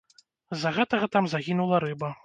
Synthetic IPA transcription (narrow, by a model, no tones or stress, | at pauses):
zːɐɣɛt̪ɐɣɐt̪amzaɣʲinulˠɐɾɨbɐ